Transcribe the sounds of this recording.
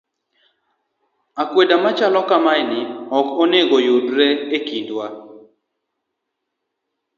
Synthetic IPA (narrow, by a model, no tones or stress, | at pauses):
akwedamat͡ʃalɔkamajnɪɔkoneɡojudɾeekindwa